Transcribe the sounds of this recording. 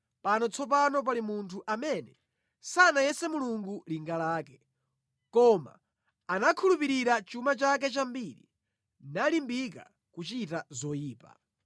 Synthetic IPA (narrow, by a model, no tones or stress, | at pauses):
panɔt͡sʰɔp̬anɔp̬alimuntʰuʔamɛnɛ | sanajɛsɛmuluŋɡuliŋɡalaːkɛ | kɔma̰ː | nakʰulupiɾiɾat͡ʃumat͡ʃak̬ɛt͡ʃambiɾḭ | nalimbika̰ | kut͡ʃitazɔjiːpa̰